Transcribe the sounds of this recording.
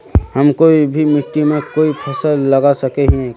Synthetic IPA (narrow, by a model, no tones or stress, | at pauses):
hɐmkoːibʱimɪʈ̪ːimẽkoːipʰɛsəlːɐɡasəkeɦiɛ̃